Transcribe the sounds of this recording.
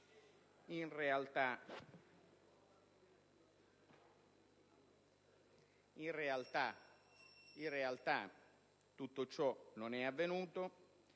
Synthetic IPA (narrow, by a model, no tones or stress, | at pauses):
inrealt̪a | inrealt̪a | inrealt̪a | t̪ːut̪ːot͡ʃɔnonɛavːenuːt̪o